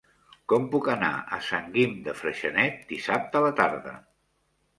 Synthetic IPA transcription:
kɔmpukəna̰ə̰saŋɡimd̪əfɾəʃənɛt̪̚d̪isap̚t̪ələt̪aɾðə̰

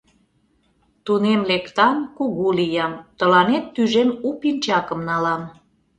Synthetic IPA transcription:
t̪unemlekt̪ɑnkuɣulijɑmt̪əlɑnet̪ːyʒemupinʲt͡ɕɑkə̆mnɑlɑm

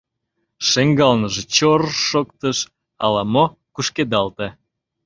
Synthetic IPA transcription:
ʃeŋɡɑlnəʒet͡ɕorʃokt̪əʃ | ɑ̰lɑmo | kuʃked̪ɑlt̪e

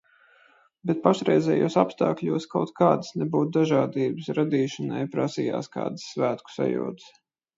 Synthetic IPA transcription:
bɛt̪̚paʃɾɛjzɛːjuɔsapst̪a̰ːklʲuɔskawt̪kʰaːd̪əsnɛbuːt̪̚d̪aʒaːd̪iːbɨsɾad̪iːʃɐnajpɾasiːja̰ːska̰ːd̪ɨsːvæːt̪ku̥sa̰jṵɔt̪s

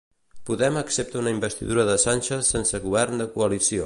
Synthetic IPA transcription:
puðɛməksep̚t̪əunəimbəst̪ḭðuɾəðəsanʲʃəsensəɣuβɛrnd̪əkuəlisio

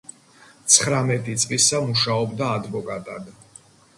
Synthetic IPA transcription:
t̪sʰχɾamɛt̪ʼit̪sʼlisamuʃaɔbd̪aːd̪vɔkʼat̪ʼad̪

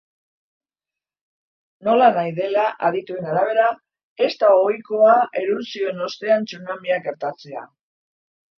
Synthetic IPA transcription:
no̞lanajðe̞laʔaðit̪ue̞naɾaβ̞e̞ɾa | e̞st̪aoojko̞aʔe̞ɾuɾsio̞eno̞st̪e̞ant͡sunamiaɡe̞ɾt̪at͡se̞a̰

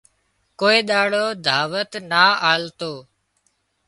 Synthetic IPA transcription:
koːeːɗ̪aːɽoːd̪ʱaːʋət̪naːaːlt̪oː

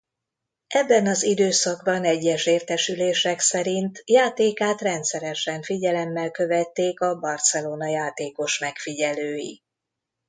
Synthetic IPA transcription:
ʔɛbːɛnɒzid̪øːsɒɡbɒnɛɟːɛʃeːrt̪ɛʃyleːʃɛksɛɾint̪jaːt̪eːkaːt̪rɛnt̪sɛɾɛʃɛɱfiɟɛlɛmːɛlkø̞vɛt̪ːeːkɒbɒrt̪sɛloːnɒjaːt̪eːko̞ʃmɛkfiɟɛløːjḭ

